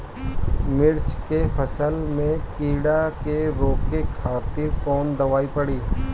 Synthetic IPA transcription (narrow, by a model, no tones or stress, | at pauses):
mɪɾt͡ʃkepʰəsəlmẽkiːɽakeɾoːkekʰaːt̪ɪɾkɔːnd̪ɐʋaːipəɽiː